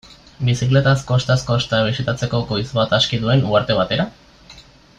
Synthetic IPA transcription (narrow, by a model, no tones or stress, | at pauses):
bisikle̞t̪asko̞st̪asko̞st̪aβisit̪at͡se̞ko̞ko̞jzβat̪askiðue̞nuaɾt̪e̞β̞at̪e̞ɾa